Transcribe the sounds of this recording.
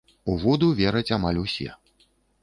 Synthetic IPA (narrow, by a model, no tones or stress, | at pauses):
uvud̪uvʲɛɾɐt͡sʲamalʲusʲɛ̰